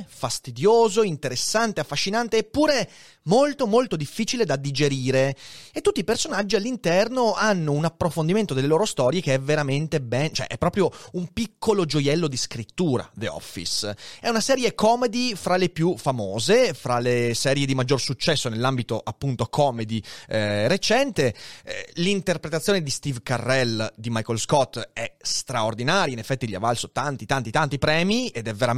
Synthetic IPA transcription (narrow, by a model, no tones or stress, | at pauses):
fast̪id̪joːzoint̪eɾesːant̪eafːaʃːinant̪eːpːuːɾe | molt̪omolt̪od̪ifːiːt͡ʃiled̪ad̪id͡ʒeɾiːɾeet̪ːut̪ːipersonad͡ʒːialːint̪ɛrnoanːounapːɾofond̪iment̪od̪elːeloːɾost̪ɔːɾjekeɛveɾament̪ebɛnt͡ʃoɛ̰ʔɛ̰pːɾɔːpɾjoumpikːolod͡ʒojɛlːod̪iskɾit̪ːuːɾa̰d̪eɔ̰fːḭsɛunasɛːɾjekɔːmed̪ifɾalepjufamoːzefɾalesɛːɾjed̪imad͡ʒːorsut͡ʃːɛsːonelːambit̪oʔapːunt̪okʰɔːmed̪iɾet͡ʃɛnt̪e | lint̪erpɾet̪at̪sːjoːned̪ist̪ivkarːɛld̪imajkolskɔt̪ːɛst̪ɾaord̪inaːɾjainefːɛt̪ːiʎia̰valsot̪ant̪it̪ant̪it̪ant̪ipɾɛːmied̪ɛvːeɾa